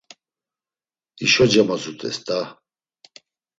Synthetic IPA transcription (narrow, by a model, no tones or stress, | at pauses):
iʃɔd͡ʒamazut̪ʼɛ̰st̪ʼa